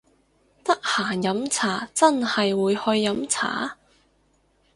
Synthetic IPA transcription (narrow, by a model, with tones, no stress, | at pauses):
t̪ɐ˥k̚haː˨˩jɐ˨˥mt͡sʰaː˨˩t͡sɐ˥nhɐ˨jwuː˨˧jhɵ˧ɥːɐ˨˥mt͡sʰa̰ː˨˥